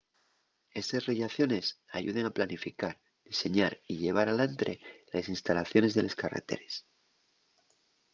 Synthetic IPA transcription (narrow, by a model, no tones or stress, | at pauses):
e̞st̪asreʝaθjo̞ne̞saʝṵð̞e̞ŋaplanifikaɾ | ð̥ise̞ɲaɾiʝe̞β̞aɾalant̪ɾe̞lesinst̪alaθjo̞ne̞zðe̞le̞skarḛt̪e̞̰ɾe̞s